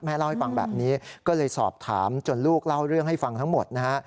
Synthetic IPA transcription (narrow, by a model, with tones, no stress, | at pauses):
mɛː˦˥la˥˩wha˥˩jfa˧ŋbɛ̰ː˨˩p̚niː˦˥kɔː˥˩lɤː˧jsɔ̰ː˨˩p̚t̪ʰa̰ː˩˦mt͡ɕo˨˧˩nluː˥˩k̚la˥˩wɾɯ˥˩əŋɦha˥˩jfa˧ŋt̪ʰa˦˥ŋmo˨˩t̪̚na˦˥kʰa˦˥ʔ